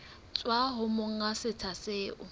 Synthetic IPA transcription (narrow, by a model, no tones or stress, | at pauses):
t͡sʼwaɦʊmoŋ̩asɪt͡sʰaseːʔʊ